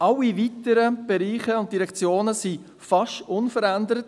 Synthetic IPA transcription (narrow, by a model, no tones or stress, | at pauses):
ʔɑlːivitəɾəb̥ɛɾiːχəʊnt̚d̥iɾɛkt͡sjoːnəsi | fɑʃtʊnfəɾændəɾət